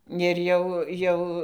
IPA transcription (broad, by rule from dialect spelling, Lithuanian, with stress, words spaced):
ɪr ˈjɛʊ ˈjɛʊ